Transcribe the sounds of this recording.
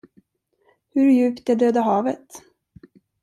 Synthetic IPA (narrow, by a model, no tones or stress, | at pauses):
hɵɾjʉ̟ːpt̪ɛɖøːd̪aɦɑːvət̪